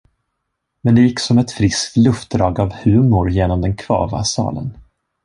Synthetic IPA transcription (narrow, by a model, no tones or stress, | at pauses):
mɛnd̪ɛjɪkːsɔmɛt̪fɾɪsk̚t̪lɵft̪̚d̪ɾɑːɡavhʉ̟ːmʊɾjeːnɔmd̪ɛnkʰv̥ɑ̰ːva̰sɑ̰ːlə̰n